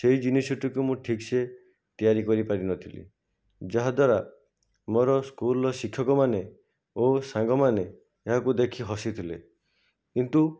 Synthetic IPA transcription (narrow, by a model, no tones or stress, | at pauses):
seɦid͡ʒinisɔʈikumũʈʰikse | t̪ijaɾikɔɾipaɾinɔt̪ʰilḭ | d͡ʒaɦad̪waɾa | moɾɔskulɔsikʰːɔkɔmane | osaŋɡɔmane | eɦakud̪ekʰiɦɔsit̪ʰile | kint̪u